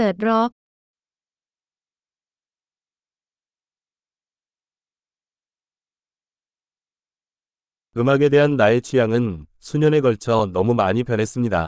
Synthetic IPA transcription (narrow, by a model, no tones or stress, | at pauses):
ɾʌk̚ | kɯmaɡe̞de̞ɦanːae̞t͡ɕʰijaŋɯnsʰuɲʌne̞ɡʌɭt͡ɕʰʌnʌmumaɲipjʌnɦe̞s͈ɯmɲida̰